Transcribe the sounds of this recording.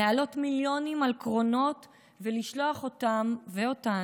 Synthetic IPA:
ealo̞tmiljo̞nimalkʁo̞no̞t | veliʃlo̞aχo̞tamveo̞ta

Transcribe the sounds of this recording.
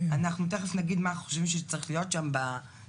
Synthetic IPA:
anaχnut̪eχefnaɡid̪maχoʃvimʃɛt͡saʁiχlijotʃamba

